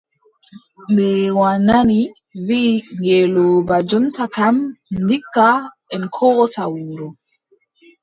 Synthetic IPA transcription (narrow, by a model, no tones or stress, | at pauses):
mbɛwanani | viːŋɡɛlɔbad͡ʒɔntakamndikːa | ɛnkʰɔːɡɔtawuːɾu